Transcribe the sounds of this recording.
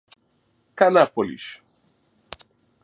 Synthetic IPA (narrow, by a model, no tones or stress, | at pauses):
kanapolḭʃ